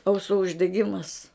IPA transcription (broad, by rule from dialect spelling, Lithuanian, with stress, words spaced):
ɐʊˈsuː ʊʒʲdʲɛˈɡʲɪmɐs